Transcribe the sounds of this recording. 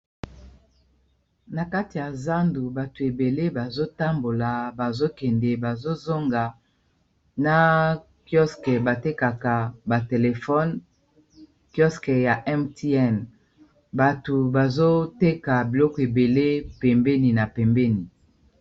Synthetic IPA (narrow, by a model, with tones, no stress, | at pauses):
na˨ka˦ti˨ja˨za˦ndu˨ba˨tu˨e˨be˨le˦ba˨zo˦ta˦mbo˨la˨ba˨zo˦kɛ˨ndɛ˨ba˨zo˦zo˦ŋɡa˨ | na˦ | kjɔ˦skɛ˨ba˨te˦ka˨ka˨ba˨te˨le˨fɔ˦n | kjɔ˦skɛ˨ja˨ʔɛ˦mti˦ɛ˦n | ba˨tu˨ba˨zo˦te˦ka˨bi˨lɔ˦kɔ˨e˨be˨le˦pɛ˨mbɛ˦ni˨na˨pɛ˨mbɛ˦ni˨